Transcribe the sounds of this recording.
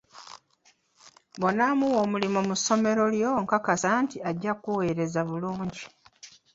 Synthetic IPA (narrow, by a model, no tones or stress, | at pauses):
bo̞namuwo̞ːmulimomusːo̞me̞ɾo̞ljoŋkakasaːntiaɟːakuwe̞ːɾe̞zaβuluːɲɟi